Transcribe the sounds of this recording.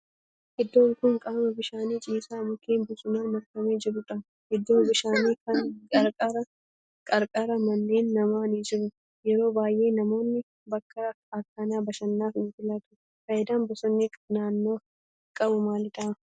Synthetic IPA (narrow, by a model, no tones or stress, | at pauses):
hɛd̪ːoːŋkʊŋkʼaːmɐbɪʃaːniːt͡ʃʼiːsaːmʊkːeːnbʊsʊnaːnmɐɾkɐmeːd͡ʒɪɾʊᶑɐ | hɛd̪ːoːbɪʃaːniːkɐnkʼɐɾkʼaɾɐ | kʼɐɾkʼaːɾɐmɐnːe̞ːnːɐmaːniːd͡ʒɪɾʊ | jɛɾo̞ːbaːjʔe̞ːnɐmo̞ːnːɪ | bɐkːɐ | ɐkːaːnaːbɐʃɐnːaːfɪnɪfɪlɐt̪ʊ̥ | fɐjd̪aːnbʊsʊnːɪkʼnaːnːo̞ː | kʼɐbʊmaːlɪᶑ̪ɐ